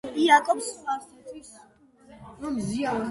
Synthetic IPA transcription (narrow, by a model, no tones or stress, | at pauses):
iakʼɔpsasʰat̪ʼʰwis | ɾɔmzia